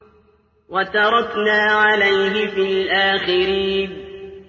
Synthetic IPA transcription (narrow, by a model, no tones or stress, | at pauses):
wat̪ɑɾˤɑknaːʕalajɦɪfiːlʔaːxɪɾiːn